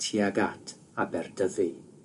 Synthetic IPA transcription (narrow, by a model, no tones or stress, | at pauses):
tʰiːaɡatʰ | abɛrdʰəði